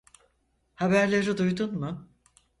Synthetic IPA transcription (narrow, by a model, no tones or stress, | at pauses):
habæɾlʲeɾid̪ujd̪unmʊ